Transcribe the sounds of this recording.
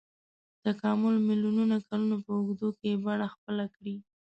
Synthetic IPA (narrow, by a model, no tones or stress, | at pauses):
t̪akɑmʊlmiljununakalunopəʊɡd̪okebaɽaxpəlakɽi